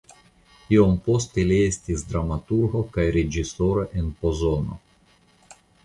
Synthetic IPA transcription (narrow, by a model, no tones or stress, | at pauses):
io̞mpo̞st̪eliestisd̪ɾamat̪uɾɡo̞kajɾed͡ʒisoɾaʔenpo̞zono̰